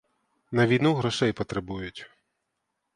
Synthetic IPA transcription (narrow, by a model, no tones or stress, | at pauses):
nɐʋʲijnuɣɾɔʃɛjpɔt̪ɾebujʊtʲ